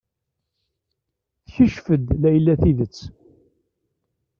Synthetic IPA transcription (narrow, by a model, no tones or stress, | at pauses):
θçəʃfəd̪læjlːæθiðət͡sː